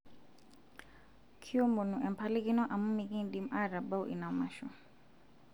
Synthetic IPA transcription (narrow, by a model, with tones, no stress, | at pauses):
kʰi˦ɔ˦mbo˨nu˨ʔɛ˨m˨pʰa˦li˦ki˦nɔ˦ʔa˨mu˦mi˨ki˦nɗi˦m˦ʔa˦ɾa˨ba˦u˦ʔḭ˨na˨ma˨ʃṵ˨